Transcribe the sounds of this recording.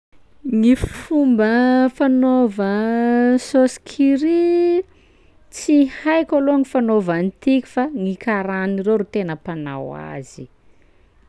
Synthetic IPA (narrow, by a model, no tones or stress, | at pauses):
ŋifumbəfanovə | soskʰiɾi | t͡sihajkaloŋifanovant̪ikʲi̥faŋikaɾanirewɾut̪enəpana̰wa̰zi